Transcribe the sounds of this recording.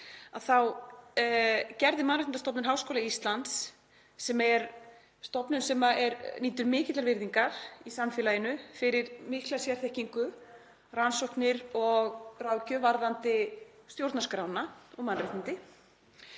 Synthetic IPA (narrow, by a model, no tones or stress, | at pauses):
aðθaw | cɛɾðɪmanɾrɪt̪nt̪st̪ɔpnɪnɦaːwskoːlaist̪lant̪sː | ɛmɛɾ | st̪ɔpnʏnsɛmaɛɾniːt̪ʏɾmɪːcɪt̪laɾvɪɾðiŋkaɾ̥isamfɛːlajɪnʏfɪɾɪɾmihklasjɛɾ̥θɛhciŋkʏ | ransowhknɪɾɔɣrawcʏvaɾðant̪ɪst̪jowɾt̪naskɾawnaɔɣmanrɪht̪nɪnt̪ɪ